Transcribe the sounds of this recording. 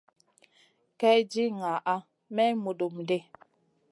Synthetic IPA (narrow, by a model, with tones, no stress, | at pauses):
kɛ˦d͡ʒi˦ŋa˨ʔa˦ | mɛ˦mo˨do˨mn˨de˦˨